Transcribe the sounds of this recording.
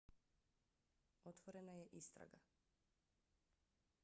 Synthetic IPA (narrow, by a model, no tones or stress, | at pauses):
ɔt̪vɔɾɛnajɛʔist̪ɾa̰ɡa̰